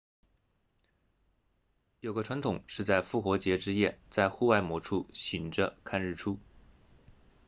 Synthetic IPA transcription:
jo˨˩ʊɡə˦ʈ͡ʂʰwa˧˥nt̪ʰʊ˨˩ŋʂɻ̩˥˧t͡sa˥˧ɪfu˥˩xwɔ˧˥t͡ɕjɛ˧˥ʈ͡ʂɻ̩˥jɛ˥˩t͡sa˥˧ɪxu˥˧wa˥˩ɪmwɔ˧˥ʈ͡ʂʰu˥˩ɕi˨˩ŋʈ͡ʂə˧kʰa˥˧nɻ̩˥˩ʈ͡ʂʰu˥

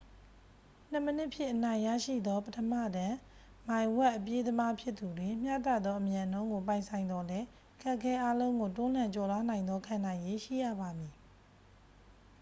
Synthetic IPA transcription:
n̥ə˨mənɪ˦ʔpʰjɪ̰̃˦˨ʔənã˨ɪ̃ja̰˦˨ʃḭ˦˨d̪ɔ˦pətʰəmä̰˦˨dã˨ | mã˨ɪ̃wɛ˦ʔəpje˦d̪əma˦pʰjɪ˦t̪ːu˨dwɪ̃˨m̥jä̰˦˨ta̰˦˨d̪ðɔ˦ʔə˨mjã˨n̥õ˦ʊ̃ŋɡo˨pã˨ɪ̃sʰã˨ɪ̃nd̪ɔ˦lɛ˦ | ʔəkʰɛ˦ʔəkʰɛ˦ʔa˦lõ˦ʊ̃ŋɡo˨tʊ̃˦l̥ã˨ɲt͡ɕɔ˨la˦nã˨ɪ̃nd̪ɔ˦kʰã˨nã˨ɪ̃je˦ʃḭ˦˨jä̰˦˨ba˨mi˨

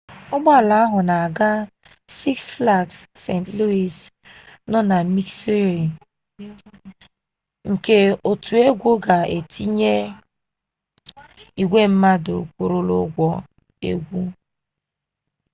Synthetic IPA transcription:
ʊ˦ɡ͡ba˦˨la˦a˦ɦʊ˨na˨a˨ɡa˦ | si˦ksfla˦˨ksːe˦˨ntlu˦i˨s | nɔ˦na˨mi˦kse˦ɾi˨ | ŋ̩˨ke˦o˨tʰu˨e˦ɡʷo˦ɡa˨e˨tʰi˦ɲe˦ | i˨ɡʷe˦m̩˦ma˦do̰˨kʷo˨ɾo˦lo˦ɡʷɔ˦ | ḛ˦ɡʷu˦

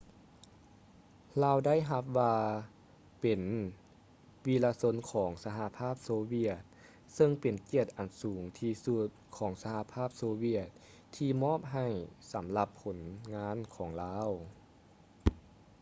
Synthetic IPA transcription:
laː˧˩wda˥˩jɦa˧˦p̚ʋaː˧ | pe˨˩n | wi˧laː˧so˧˥nkʰɔː˩˦ŋsa˧ɦa˧˦pʰaː˥˩p̚soː˧wi˧˩ət̪̚ | sɤ˧ŋpe˨˩nki˧˩ət̪̚ʔa˨˩nsuː˩˦ŋt̪ʰiː˧su˧˥t̪̚kʰɔː˩˦ŋsa˧ha˧˦pʰaː˥˩p̚soː˧wi˧˩ət̪̚ | t̪ʰiː˧mɔː˥˨p̚ɦa˧˩jsa˩˦mla˧pʰːo˩˦nŋaː˧˥˨nkʰɔː˩˦ŋlaː˧˥˨w

